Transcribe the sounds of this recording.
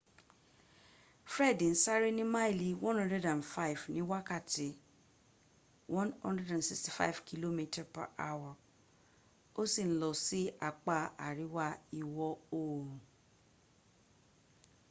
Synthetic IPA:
fɾɛ˦˨dĩ˨n̩˦sa˦ɾi˦nĩ˦ma˦i˦˨li˧wɔ̃˦nhɔ̃˦ndɛ˦dã˨nfa˦i˨fnĩ˨˦wa˦ka˦˨ti˨˦ | wʔɔ̃˦nhɔ̰̃˦ndɛ˦dã˨nsi˨ksti˨fa̰˦i˨vkʰi˦lo˦mĩ˦ta˨pa̰˨ʔa̰˦wa˨ | o˦si˦˨n̩˦lɔ˨si˦a˨k͡pa˦˨a˨ɾi˨˦wa˦i˧˨wɔ˦o˦˨

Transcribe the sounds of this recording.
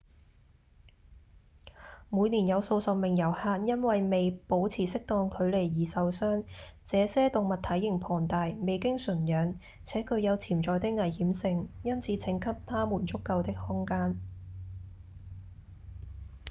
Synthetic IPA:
muː˨˧jniː˨˩njɐ˨˧wso˧wsɐ˨wmɪ˨ŋjɐ˨˩whaː˧t̚jɐ˥nwɐ˨jme˨jpo˨˥wt͡sʰiː˨˩sɪ˥k̚t̪ɔː˧ŋkʰɵ˨˧ɥle˨˩jːiː˨sɐ˨wsœː˥ŋt͡sɛː˨˧sɛː˥t̪ʊ˨ŋmɐ˨t̚t̪ʰɐ˨˥jːɪ˨˩ŋpʰɔː˨˩ŋt̪aː˨jme˨jkɪ˥ŋsɵ˨˩njœː˨˧˥ŋ | t͡sʰɛː˨˥kʰɵ˨˧ɥjɐ˨˧wt͡sʰiː˨˩mt͡sɔː˨jt̪ɪ˥k̚ŋɐ˨˩jhiː˨˥msɪ˧ŋjɐ˥nt͡sʰiː˨˧t͡sʰɪ˨˥ŋkʰɐ˥p̚t̪ʰaː˥muː˨˩nt͡sʊ˥kːɐ˧wt̪ɪ˥k̚hʊ˥ŋkaː˥n

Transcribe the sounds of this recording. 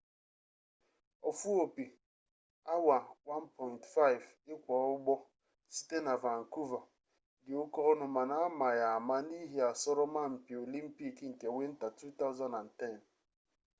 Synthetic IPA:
ɔ˨fu˦o˨pi˨ | a˦wa˨wa˦npɔ˨ntfa˦ɪ˨v | ɪ˦kʷɔ˨˦ʊ˦ɡ͡bɔ˦ | si̥˦te˦na˨va˨ŋ̩˨ku˦va˨ | dɪ˨ʊ˦kɔ˦nʊ˨ma˨na˨a˦ma˨ja˨a˨ma˦ni˦ɦe˨a˨sɔ˦ɾɔ˦ma˦m̩˨pi˨o˨li˦m̩˦pi˦kŋ̩˨ke˨we˦n̩˦ta˨tɾu˦t̪a˦ʊ˦zɔ˨na˨n̩˨tɛ˦˨n

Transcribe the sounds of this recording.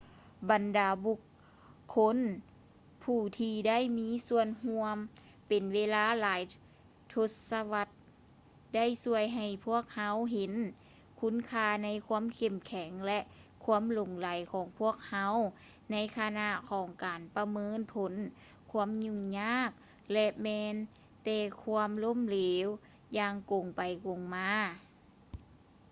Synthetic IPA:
ba˨ndaː˨˩bu˧kʰː | o˧˥n | pʰuː˧˩t̪ʰiː˧da˥˨jmiː˧˥su˧ənɦu˧əm | pe˨˩nweː˧˥laː˧˥˨laː˨˦j | t̪ʰo˧t̪̚sa˧wa˧˥t̪̚ | da˥˩˨jsu˧˩əjɦa˧˩jpʰu˥˩ək̚ha˧˥wɦe˨˦n | kʰu˧˥nkʰaː˧na˧˥jkʰuː˧˥ə˨mkʰe˧˩mkʰɛ˨˩˦ŋlɛ˧ʔ | kʰu˧˥əmlo˨˩ŋla˨˦jkʰɔː˨˩˦ŋpʰu˥˩ək̚ha˧˥˨w | na˧˥jkʰa˧na˧˥ʔkʰɔː˨˦ŋkaː˨˩npa˧mɤː˧˥˨npʰo˨˦n | kʰu˧˥ə˨mɲu˧˩ŋɲaː˥˨k̚ | lɛ˧ʔmɛː˧n | t̪ɛː˧˩kʰu˧əmlo˧˥˨mleː˨˦w | jaː˧ŋko˨˩ŋpa˨˩jko˨ŋmaː˧˥

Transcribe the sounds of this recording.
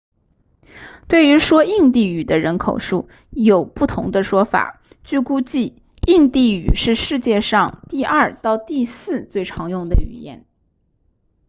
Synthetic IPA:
t̪we˥˩ɪy˧˥ʂwɔ˥i˥˧ŋt̪i˥˩y˨˩d̪ə˦ɻə˧˥nkʰo˨˩ʊʂu˥˩ | jo˨˩ʊpu˥˩t̪ʰʊ̰˧˥ŋd̪ə˧ʂwɔ˥fa̰˨˩˦ | t͡ɕy˥˩ku˥t͡ɕi˥˩ | i˥˧ŋt̪i˥˩y̰˨˩ʂɻ̩˥˧ʂɻ̩˥˧t͡ɕjɛ˥˧ʂɑ˥˧ŋt̪i˥˧ɐ˞˥˧t̪ɑ˥˧ʊt̪i˥˧sɹ̩˥˧t͡swe˥˩ɪʈ͡ʂʰɑ˧˥ŋjʊ˥˩ŋd̪ə˨y̰˨˩jɛ̰˨˩˦n

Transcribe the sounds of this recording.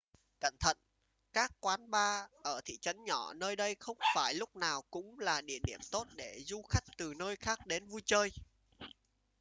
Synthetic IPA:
kə̰˧˨nt̪ʰə̰˧˨n | kaː˦˥kːwaː˨˦nɓaː˧ʔəː˧˩t̪ʰḭ˧˨t͡ɕə˨˦nɲɔ˧˩nəː˧jɗə˧jxə˧wŋ͡mfaː˧˩jlʊ˦˥k͡p̚naː˨˩wkʊ̰˧˥ŋ͡mlaː˨˩ɗḭ˧˩əɗi˦˧˩əmt̪o˦˥t̚ɗe˧˩zu˧xa˦˥jk̟̚t̪ɨ˨˩nəː˧jxaː˦˥k̚ɗe˨˦nvu˧jt͡ɕəː˧j

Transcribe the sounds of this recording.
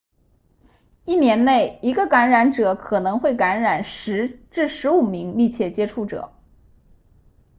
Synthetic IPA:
i˥˩njɛ˧˥nne˥˩ɪi˧˥ɡə˧ka˧˥nɻa˧˥nʈ͡ʂɤ˨˩kʰɤ˨˩nɤ˧˥ŋxwe˥˩ɪka˧˥nɻa˨˩nʂ̩˧˥ʈ͡ʂɻ̩˥˩ʂɻ̩˧˥u˨˩mi˧˥ŋmi˥˧t͡ɕʰjɛ˥˩t͡ɕjɛ˥ʈ͡ʂʰu˥˩ʈ͡ʂɤ̰˨˩˦

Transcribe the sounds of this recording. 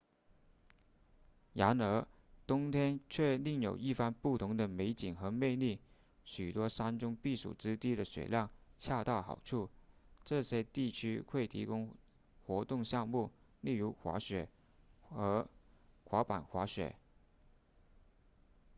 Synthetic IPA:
ja˧˥nə˧˥ | t̪ʊ˥ŋt̪ʰjɛ˥nt͡ɕʰɥɛ˥˧li˥˩ŋjo̰˨˩ʊi˥˩fa˥npu˥˩t̪ʰʊ˧˥ŋd̪ə˧me˧˥ɪt͡ɕi˨˩˦ŋxɤ˧˥me˥˧ɪli˥˩ | ɕy˨˩t̪wɔ˥ʂa˥nʈ͡ʂʊ˥ŋpi˥˩ʂṵ˨˩ʈ͡ʂɻ̩˥t̪i˥˩d̪ə˨ɕwɛ̰˨˩ljɑ˥˩ŋt͡ɕʰja˥˧t̪a˥˩ʊxɑ̰˨˩ʊʈ͡ʂʰu˥˩ʈ͡ʂɤ˥˩ɕjɛ˥t̪i˥˩t͡ɕʰy˥kʰwe˥˩ɪt̪ʰḭ˧˥kʊ˥ŋ | xwɔ˧˥t̪ʊ˥˧ŋɕjɑ˥˧ŋmu˥˩li˥˩ɻu˧˥xwa̰˧˥ɕɥɛ̰˨˩ | ɤ˧˥xwa˧˥pa˨˩nxwa˧˥ɕɥɛ̰˨˩˦

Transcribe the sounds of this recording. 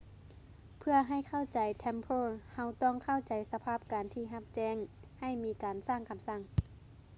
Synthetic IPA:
pʰɯ˧ɐɦa˧˩jkʰa˥˩wt͡ɕa˨˩jt̪ʰɛ˧˥mpʰoː˧˥˨ha˧wt̪ɔː˧˩˨ŋkʰa˥˩wt͡ɕa˨˩jsa˧pʰaː˥˩p̚kaː˨nt̪ʰiː˧˩ɦa˧˥p̚t͡ɕɛː˧˩ŋha˧˩jmiː˧˥kaː˨˩nsaː˥˩ŋkʰa˨˧˦msa˧˥˩ŋ

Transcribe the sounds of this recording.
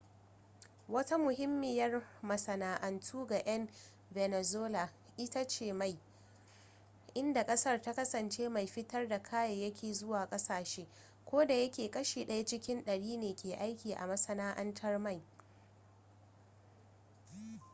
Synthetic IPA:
wɐ˦ta˦mʊ˨ɦɪ˦mːɪ˦˨jɐ˦rmɐ˨sɐ˨naː˨ʔɐ˨ntʰuː˦ɡa˨ʔɐ˦n | vɛ˨nɛ˨zoː˦la˨ | ʔɪ˦ta˦t͡ʃeː˨ma˨j | ʔɪ˦nda˨kʼɐ˦sɐ˦rta˦kɐ˦sɐ˨nt͡ʃeː˦ma˨jɸɪ˦tɐ˦rda˨kʰaː˦jɐ˨jɐ˦kʲʰeː˨zʊ˦waː˨kʼɐ˦saː˨ʃeː˦ | kʷoː˦da˨jɐ˦kʲeː˨kʼɐ˦ʃiː˨ɗɐ˦ja˦t͡ʃɪ˦kʲɪ˦nɗɐ˨ɽiː˦neː˨kʲeː˨ʔa˦jkʲiː˨ʔa̰˨mɐ˦sɐ˦naː˦ʔɐ˦ntʰɐ˦rma˦˨j

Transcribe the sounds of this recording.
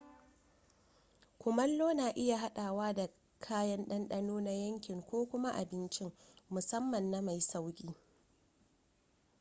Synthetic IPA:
kʷʊ˨mɐ˦lːoː˦naː˨ʔɪ˦ja˨ɦa˦ɗaː˨waː˦da˨ | kʰaː˦jɐ˦nɗɐ˦nɗɐ˦noː˦na˦jɐ˦ŋkʲɪ˨ŋkʷoː˦kʷʊ˦ma˦ʔa˨bɪ˦nt͡ʃɪ˦ŋmʊ˨sɐ˦mːɐ˨nːa˦ma˨jsa˦wkʲʼiː˦

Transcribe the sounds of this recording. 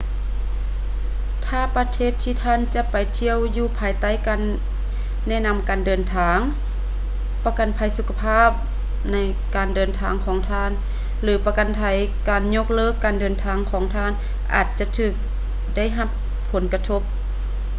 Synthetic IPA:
t̪ʰaː˧˩˨pa˧t̪ʰeː˧˥˨t̪ʰːiː˧t̪ʰaː˧˥˨nt͡ɕa˧˦pa˨jt̪ʰi˧əwjuː˧˩pʰaː˨˩jt̪a˧˥˨jka˨nː | ɛ˧˥˩na˧˨mkaː˨ndɤː˨˩nt̪ʰaː˨˧ŋ | pa˧ka˨˩npʰa˧˩jsu˧kʰa˧pʰaː˥˨p̚ | na˧˥˩j | kaː˨˩ndɤː˨nt̪ʰaː˨˦ŋkʰɔː˨˦ŋt̪ʰaː˧˨n | lɯː˨˦pa˧ka˨npʰa˧˩j | kaː˨˩nɲo˧k̚lɤː˧˨kːaː˨ndɤː˨˩nt̪ʰaː˨˧˦ŋkʰɔː˨˦ŋt̪ʰaː˧˥˨n | ʔa̰ː˨˧˩t̪̚t͡ɕa˧˨t̪ʰɯː˧˩k̚ | da˥˩˨jɦa˧˥pʰː | o˩˨˦nka˧t̪ʰo˧˥˩p̚

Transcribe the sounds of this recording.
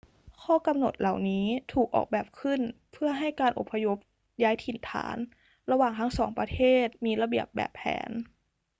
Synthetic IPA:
kʰɔː˥˨ka˧mno̰˨˩t̪̚la˨˩wniː˦˥t̪ʰuː˨˩k̚ʔɔ̰ː˨˩k̚bɛː˨˩p̚kʰɯ˥˩npʰɯ˥˩ɐɦa˥˩jkaː˧nʔo̰˨˩pʰːa˧jo˦˥p̚ | jaː˦˥jt̪ʰi˨˩nt̪ʰa̰ː˩˦n | ɾa˧waː˨˩ŋt̪ʰa˦˥ŋsɔː˩˦ŋpɾa˧t̪ʰeː˥˩t̪̚miː˧la˧bi˨˩əp̚bɛ̰ː˨˩pʰːɛ̰ː˩˦n

